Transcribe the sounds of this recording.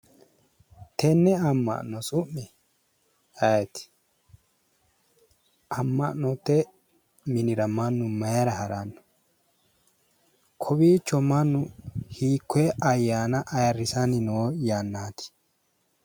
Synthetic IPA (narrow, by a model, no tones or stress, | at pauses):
t̪ɛnːɛɐmːɐ̰ʔnɔsʼʊmːɪ | ɐjt̪ɪ̥ | ʔɐmːɐʔnɔt̪ːɛ | mɪnɪɾɐmɐnːʊmɐjɐɾɐhɐɾɐnːɔ̥ | kʰɔbiːt͡ʃːɔmɐnːʊhiːkːweɐjːaːnɐʔɐjɐrːɪsɐnɪnoːjaːnːaːt̪ɪ̥